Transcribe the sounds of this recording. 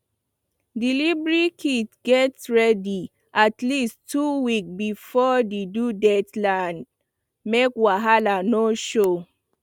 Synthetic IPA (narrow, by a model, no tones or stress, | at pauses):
dilibɹikʰitɡɛtɹɛdi | ʔatlistʰːuwikbifɔdedudɛtlãnd | mekwaɦalanoʃo